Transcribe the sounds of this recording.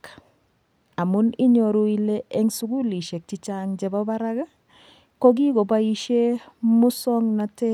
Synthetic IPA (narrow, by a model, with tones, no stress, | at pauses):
k | a˨mu˦ni˦ɲo˨ɾu˦i˦le˦e˦ŋsu˦ɡu˦li˨ʃe˨k̚t͡ʃi˨t͡ʃaŋd͡ʒɛ˨ba˦ba˦ɾa˦ɡa˦ | ko˦ɡi˦ɡo˨ba˦i˦ʃe˦mʊ˦sɔ˦ŋna˨tɛ˦